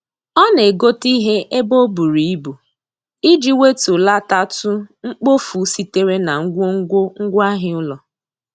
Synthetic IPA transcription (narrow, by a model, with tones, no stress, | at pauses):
ɔ˦ne˨ɡo˦ti˦ɦe˦ʔe˦bo˦bu˨ɾi˨i˦bu˨ | i˦d͡ʒi˦we˦tu˨la˦ta˦tʊ˦ŋ͡m̩˦k͡po˦fu˨˦si˦te˦ɾe˦na˨ŋ̩˦ɡʷo˦ŋ̩˦ɡʷo˦ŋ̩˦ɡʷa˦ɦɪ˦ʊ˦lɔ˨